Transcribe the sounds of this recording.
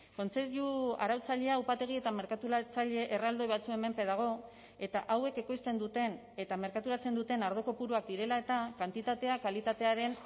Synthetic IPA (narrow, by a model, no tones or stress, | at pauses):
ko̞nt͡se̞ɾjua̰ɾawt͡saʎe̞aupat̪e̞ɣ̞ie̞t̪ame̞ɾkat̪uɾat͡saʎe̞ʔerald̪ojβat͡sue̞me̞mpe̞ð̞aɣ̞o̞ | e̞t̪aʔawe̞ke̞ko̞jst̪e̞nd̪ut̪e̞n | e̞t̪ame̞ɾkat̪uɾat͡se̞nd̪ut̪e̞naɾð̞o̞ko̞puɾuak̚d̪iɾe̞lae̞t̪akant̪it̪at̪e̞akalit̪at̪e̞aɾe̞n